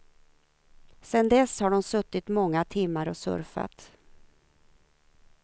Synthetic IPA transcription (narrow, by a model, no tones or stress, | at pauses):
sɛnd̪ɛshaɖɔmsɵt̪ːɪt̪mɔŋːat̪ʰɪmːaɾɔsɵ̰ɾfa̰t̪